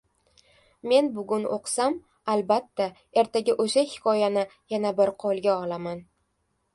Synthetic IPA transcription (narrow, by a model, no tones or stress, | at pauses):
me̞nbʊɡʲʊno̰qsam | albat̪ʰːa | e̞ɾt̪ʰaɡʲɪʔoʃahɪkʲʰɒjanɪjanabɪɾqʰolˠɡʲaɒlaman